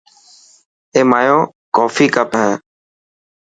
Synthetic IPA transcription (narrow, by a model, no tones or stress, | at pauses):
eːmaːjõː | kɔːfiːkəpɦɛ̃ː